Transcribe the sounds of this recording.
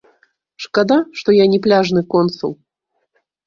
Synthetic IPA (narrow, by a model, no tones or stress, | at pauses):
ʂkad̪aʂt̪ɔjanʲɛplʲaʐnɨkɔnt̪sṵlˠ